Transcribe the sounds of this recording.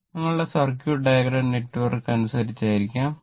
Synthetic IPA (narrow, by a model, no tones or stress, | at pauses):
niŋːɐɭɨɽesɐrkjuɖɐjɐɡɾɐɳne̞ʈːʋɐrkːɐnusɐɾit͡ɕːaːjiɾikʲːaːm